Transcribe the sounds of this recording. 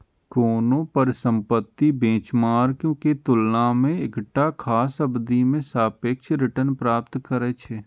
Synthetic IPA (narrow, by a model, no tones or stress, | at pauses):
koːnõpəɾɪsə̃mpət̪ːibẽːt͡ʃmaːɾkjõːket̪ʊlnamẽɪkʈakʰaːsəbd̪imẽsaːpeːkʃɾɪʈənpɾaːpt̪kəɾɛt͡ʃʰeː